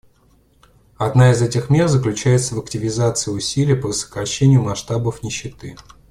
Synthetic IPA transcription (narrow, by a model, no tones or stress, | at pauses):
ɐd̪naɪzɛtʲɪxmʲerzəklʲʉt͡ɕæjɪt̪səvəktʲɪvʲɪzat̪sɨɪʊsʲilʲɪjəpəəsə̥kɾɐɕːenʲɪjʊmɐʂt̪abəfnʲɪɕːɪt̪ɨ